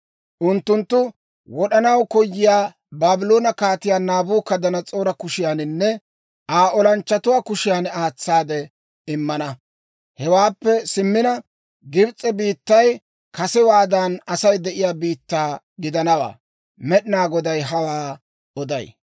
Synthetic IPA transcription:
ʔʊnt̪ːʊnt̪ːʊ | wɔɗɐnɐwkɔjːɪjaː | baːbɪloːnɐkaːt̪ɪjaːnaːbuːkɐd̪ɐnɐt͡sʼo̞ːɾɐkʊʃɪjaːnɪnːɛ | ʔaːʔɔlɐnt͡ʃːɐt̪ʊwaːkʊʃɪjaːnaːt͡sːaːd̪ɛ | ɪmːɐnɐ | hɛwaːpːɛsɪmːɪnɐ | ɡɪbt͡sʼːɛbiːt̪ːɐj | kɐsɛwaːd̪ɐnɐsɐjd̪ɛʔɪjaːbiːt̪ːaː | ɡɪd̪ɐnɐwa̰ː | mɛɗɪnaːɡɔd̪ɐjɦɐwaː | ɔd̪ɐ̰j

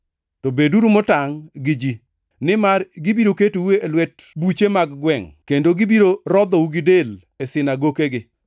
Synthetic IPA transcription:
tobeduɾumotaŋɡɪd͡ʒi | nɪmarɡɪbiɾoketuweelwɛt | but͡ʃemaɡɡwɛŋkendoɡɪbiɾoɾɔd̪ɔuɡɪdel | esɪnaɡokeɡɪ

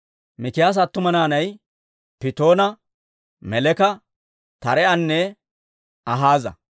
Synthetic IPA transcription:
mɪkɪjaːs̬ɐt̪ːʊmɐnaːnɐj | pɪt̪o̞ːnɐ | mɛlɛkɐ | t̪ɐɾɛɐnːɛ | ɐɦaːzɐ̰

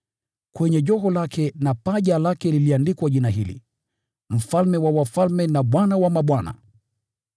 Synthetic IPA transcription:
kwɛɲɛʄɔɦɔlakʰɛnapaʄalakɛliliandikwaʄinaɦilḭ | m̩falmɛwawafalmɛnaɓwanawamaɓwana̰

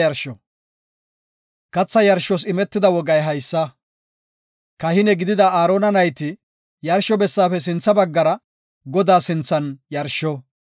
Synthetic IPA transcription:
jɐɾʃɔ | kɐt͡sːɐjɐɾʃːɔs̬ɪmɛt̪ːɪd̪ɐwɔɡɐjɦɐjsːɐ | kɐhɪnɛɡɪd̪ɪd̪ɐaːɾoːnɐnɐjt̪ɪ | jɐɾʃːɔbɛsːaːfɛs̬ɪnt͡sːɐbɐɡːɐɾɐ | ɡɔd̪aːsɪnt͡sːɐnjɐɾʃːɔ

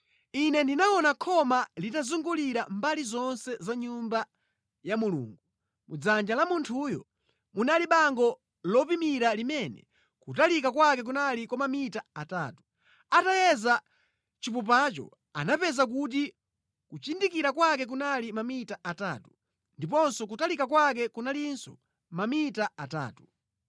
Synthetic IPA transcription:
inɛndinaɔnakʰɔmalitazuŋɡuliɾambalizɔnsɛzaɲumba | jamulṵːŋɡu | mud͡zand͡ʒalamuntʰujɔ̰ | munaliɓaŋɡɔ | lɔpimiɾalimɛnɛ̰ | kutalikakwakɛk̬unalikwamamitaataːtu̥ | atajɛza | t͡ʃipup̬at͡ʃɔ̰ | a̰napɛzak̬ut̬i | kut͡ʃindikiɾakwakɛk̬unalimamitaʔataːtu | ndipɔnsɔk̬utalikakwak̬ɛkunaliinsɔ̰ | mamitaata̰ːtu̥

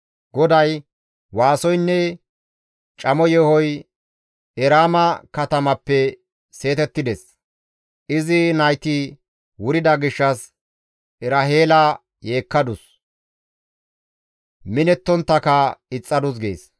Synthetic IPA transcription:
ɡɔd̪ɐj | waːsɔjnːɛ | t͡ʃʼɐmɔjɛhɔj | ɛɾaːmɐkɐt̪ɐmɐpːɛ | se̞ːt̪ɛt̪ːɪd̪ɛs | ʔɪzɪnɐjt̪i | wʊɾɪd̪ɐɡɪʃːɐs | ʔɛɾɐɦe̞ːlɐ | je̞ːkːɐd̪ʊs | mɪnɛt̪ːɔnt̪ːɐkɐɪt͡sʼːɐd̪ʊs̬ɡḛːs

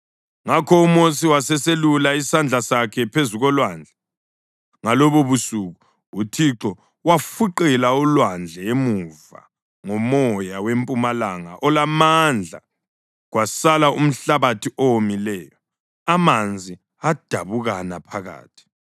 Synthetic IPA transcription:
ŋakʰɔumosiwasɛselulaisand͡ɮʱasakʰɛpʰezuɣɔlwand͡ɮʱɛ | ŋalɔβoβusuɣu | utʰiǁɔ | wafuǃɛlaulwand͡ɮʱɛemuva̰ | ŋɔmɔjawempʼumalaŋa̰ʔɔlamand͡ɮʱa̰ | ɣwasalaum̩ɬaβatʰiʔɔwomilɛːjɔ | amand͡zʱi | ad̥ʱaβuɣanapʰaɣa̰ːtʰi̥

